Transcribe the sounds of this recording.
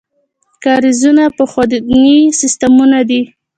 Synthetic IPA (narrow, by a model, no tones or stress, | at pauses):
kɑɾizunapəxad̪nisɪst̪amunad̪i